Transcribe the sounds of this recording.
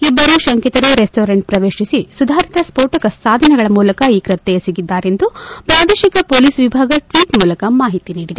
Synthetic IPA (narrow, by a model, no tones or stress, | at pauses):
ibːɐɾuʃɐŋkit̪ɐɾuɾesʈoːɾeɳʈ̚pɾɐʋe̞ːʃisisud̪ʱaːɾit̪ɐspoːɾʈɐkɐsːaːd̪ʱɐnɛɡɐɭɐmuːlɐkɐiːkɾɐt̪ːɛjɐsiɡid̪ːaːɾe̞nd̪upɾaːd̪eːʃikɐpoːliːsʋibʱaːɡɐʈʋiːʈmuːlɐkɐmaːɦit̪iniːɽid̪e